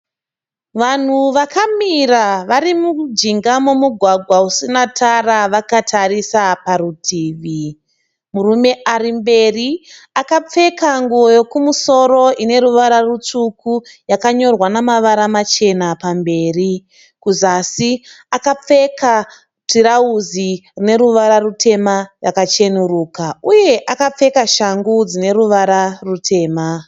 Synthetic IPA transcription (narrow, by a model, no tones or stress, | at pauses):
ʋan̤uʋakamiraʋaɾimud͡ʒiŋɡamumuɡʱwaɡʱwausinatʰaraʋakatʰarisaparutʰiːʋi | murume̞ʔarimbe̞riakap͡fe̞kaŋɡuojo̞kumuso̞ro̞ine̞ɾuʋaɾarut͡ʂukujakaɲo̞rwanamaʋaɾamat͡ʃe̞napambe̞ːri | kuzasi | akap͡fe̞ka | tiɾauzirine̞ɾuʋaɾarutʰe̞marakat͡ʃe̞nuɾuːkauje̞ʔakap͡fe̞kaʃaŋɡud͡zine̞ɾuʋaɾarutʰe̞ːma